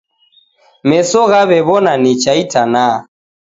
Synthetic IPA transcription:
mɛsɔɣaβɛβɔnanit͡ʃaitana

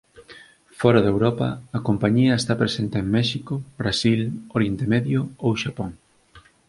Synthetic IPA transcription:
fɔɾaðewɾɔpɐ̰ːkompaɲiɐest̪apɾesent̪eeŋmɛʃikʊbɾasiloɾjent̪emeðjʊowʃapoŋ

